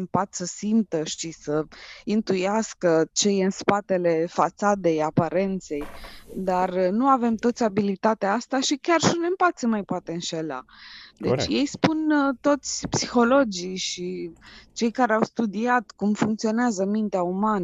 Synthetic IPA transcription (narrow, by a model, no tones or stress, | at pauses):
mpat̪səsimt̪əʃt̪isəint̪ujaskət͡ʃe̞jɨnspat̪e̞le̞fat̪sad̪e̞japaɾe̞nt̪se̞jd̪arnuave̞mt̪o̞t̪sʲabilit̪at̪eaast̪aʃikʲarʃiunempat̪semajpoat̪e̞ɨnʃe̞la̰d̪et͡ʃjejspunt̪o̞t̪sʲpsixo̞lo̞d͡ʒiʃit͡ʃe̞jkaɾeawst̪ud̪iat̪kumfuŋkt̪sio̞neazəmint̪eaumanə